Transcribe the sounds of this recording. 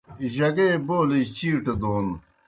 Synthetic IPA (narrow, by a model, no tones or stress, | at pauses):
iʑɐɡeːboːlit͡ɕiːʈed̪oːn